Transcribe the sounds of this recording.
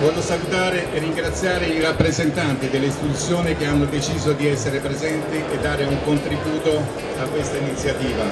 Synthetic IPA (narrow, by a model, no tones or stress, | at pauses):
vɔːʎːosalut̪aːɾeʔerːiŋɡɾat̪sːjaːɾeirapːɾezent̪ant̪id̪elːeist̪it̪ut̪sːjoːnik̟eanːod̪et͡ʃiːzod̪iɛsːeɾepɾezɛnt̪iʔed̪ːaːɾeuŋkont̪ɾibuːt̪o | akːwest̪ainit̪sːjat̪iːva